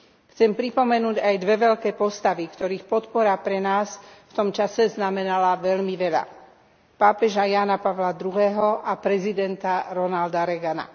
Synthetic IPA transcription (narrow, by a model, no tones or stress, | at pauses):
xt͡sɛmpɾipɔmɛnuːɟajd̪ʋɛʋɛʎkɛːpɔst̪aʋikt̪ɔɾiːxpɔt̪pɔɾapɾɛnaːsft̪ɔmt͡ʃasɛznamɛnalaʋɛʎmiʋɛʎa̰ | paːpɛʒajaːnapaʋlad̪ɾuɦɛːɦɔʔapɾɛzid̪ɛnt̪aɾɔnald̪aɾɛɡana̰